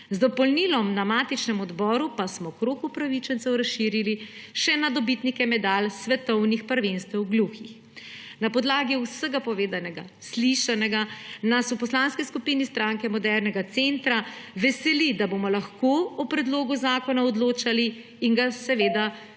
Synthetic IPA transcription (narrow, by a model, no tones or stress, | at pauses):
zd̪ɔpɔlnilɔmnamaːt̪it͡ʃnɛmɔd̪bɔːɾupasmɔkɾoːkupɾaʋit͡ʃɛnt̪sɛwɾasʃiɾiliʃɛnad̪ɔbit̪nikɛmɛd̪alsʋɛt̪ɔwnixpəɾʋenst̪ɛwɡluxix | napɔd̪laːɡiusəɡapɔʋeːd̪anɛɡa̰sliʃanɛɡanasupɔslaːnskiskupiːnist̪ɾaŋkɛmɔd̪ɛɾnɛɡat̪sent̪ɾaʋɛsɛlid̪abomɔlaxkoɔpɾɛd̪loːɡuzaːkɔnaɔd̪loːt͡ʃaliː | ŋɡasɛʋeːd̪a